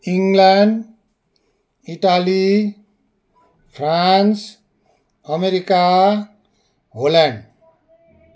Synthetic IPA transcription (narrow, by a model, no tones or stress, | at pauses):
iŋɡlaɳɖ | iʈali | pʰɾans | ʌmeɾika | ɦolaɳɖ